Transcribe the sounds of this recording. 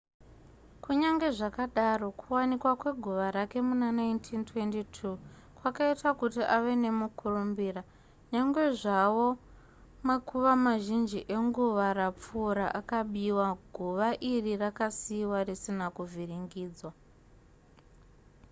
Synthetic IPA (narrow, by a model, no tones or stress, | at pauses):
kuɲaŋɡe̞ʐakaɗaro̞kʰuwanikwakwe̞ɡʱuʋaɾake̞munanaintʰintwe̞ntitʰu | kwakaitakutiʔaʋe̞ne̞mukʰurumbiːra | ɲaŋɡwe̞ʐawo̞ | makuʋamaʒind͡ʒiʔeŋɡuʋaɾap͡fuɾaʔakaɓiwaɡʱuʋaʔirirakasiwarisinakuvʱiriŋɡiːd͡zwa